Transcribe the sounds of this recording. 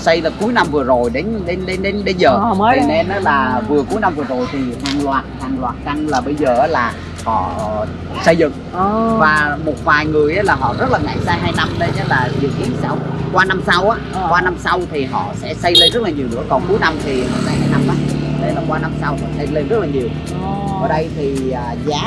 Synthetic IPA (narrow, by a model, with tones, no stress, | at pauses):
sə˧jlaː˨˩ku˨˦jna˧mvɨ˨˩əzo˨˩jɗe˨˦nɗe˨˦nɗe˨˦nɗe˨˦nɗe˨˧˦nzəː˨˩˨ne˧nʔaː˨˦laː˨˩vɨ˨˩əku˨˦jna˧mvɨ˨˩əzo˨˩jt̪ʰi˨˩haː˨˩ŋlwaː˨˩t̚haː˨˩ŋlwaː˨˩t̚ka˧ŋlaː˨˩ɓə˧jzəː˨˩aː˨˦laː˨˩ | hɔ̰˧˨ | sə˧jzɨ̰˧˨ŋ | vaː˨˩mo˨˩t̚vaː˨˩jŋɨ˨˩əjʔa˨˦laː˨˩ɦɔ̰˧˨zə˦˥t̚laː˨˩ŋa̰˧˨jsaː˧jɦaː˧jna˧mɗe˧jə˨˦laː˨˩zi˨˩əwkḭ˧˩ənsa˧wkwaː˧na˧msa˧wʔaː˧˥kwaː˧na˧msa˧wt̪ʰi˨˩ɦɔ̰˧˨sɛ̰˧˥sə˧jle˧nzə˦˥t̚laː˨ɲi˨˩əwnɨ̰˧˥əkɔ˨˩nku˨˦jna˧mt̪ʰi˨˩hɔ̰˨˧˨saː˧jhaː˧jna˧mʔaː˨˩˨ne˧nɔ˧˩kwaː˧na˧msa˧whɔ̰˧˨sə˧jle˧nzə˦˥t̚laː˨˩ɲi˨˩əw | əː˧˩ɗə˧jt̪ʰiː˨˩˨ | zaː˨˦